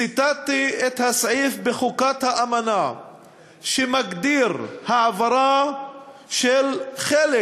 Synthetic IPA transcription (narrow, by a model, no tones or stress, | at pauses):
it̪at̪iet̪hasʕifbeχukat̪haʔamana | ʃemaɡd̪iɾhaʕavaɾa | ʃelχele